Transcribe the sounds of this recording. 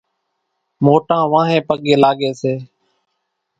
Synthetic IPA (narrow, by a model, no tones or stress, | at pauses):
moːʈãːʋãːɦẽːpəɠeːlaːɠeːseː